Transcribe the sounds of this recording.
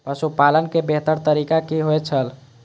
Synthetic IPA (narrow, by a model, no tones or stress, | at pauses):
pəsupalənkebeɦt̪əɾt̪əɾikakiɦoet͡ʃʰəl